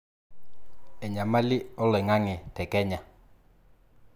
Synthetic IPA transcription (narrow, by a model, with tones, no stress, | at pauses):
ɛ˨ɲa˨ma˦lɪ˦ɔ˦lɛ˨ŋa˦ŋɪ˨tɛ˨kɛ˦ɲa˨